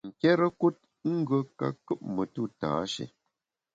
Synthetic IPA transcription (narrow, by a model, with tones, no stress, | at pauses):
ŋ̩˨kɛ˦ɾə˦ku˦t̚ŋ̩˦ɡə˦ka̰˦kɨ˦p̚mə˨tu˦˨ta̰ː˨˦ʃḛ˨